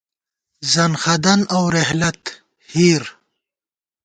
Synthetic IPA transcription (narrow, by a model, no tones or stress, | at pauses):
zɐnxɐd̪ɐnawɾehlɐt̪ | hiːɾ